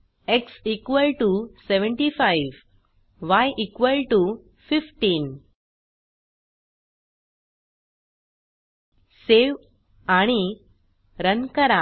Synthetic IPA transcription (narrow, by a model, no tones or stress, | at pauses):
eksikʋəlʈuseʋəɳʈifajʋ | ʋajʔikʋəlʈu | fifʈiːn | seʋ | aɽ̃i | ɾənkəɾa